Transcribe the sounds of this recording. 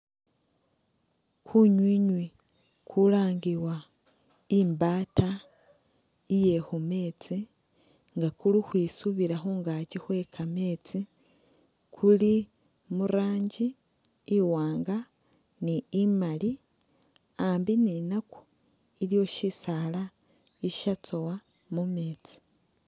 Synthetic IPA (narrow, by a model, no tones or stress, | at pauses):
kʰuɲwiːɲwi | kʰulaːŋɡiwa | imbaːta | ije̞hume̞ːt͡si | ŋɡakulixwiːsuβiɾaxoŋɡacixwe̞kʰame̞ːt͡si | kʰuli | muɾaːɲɟiː | waːŋɡa | niːmali | ambininaku̥ | ilijo̞ʃisala | iʃat͡sowa | mumeːt͡si̥